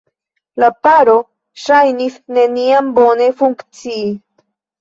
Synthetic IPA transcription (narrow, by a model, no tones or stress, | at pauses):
lapaɾo̞ | ʃajnisne̞niambo̞ne̞fuŋkt͡siː